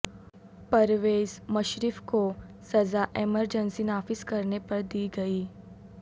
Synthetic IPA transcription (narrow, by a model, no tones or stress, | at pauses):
pəɾʋeːzməʃɾɪfkosɐzaʔeməɾd͡ʒənsinaːfɪskɐɾnepɐɾd̪iːɡɐiː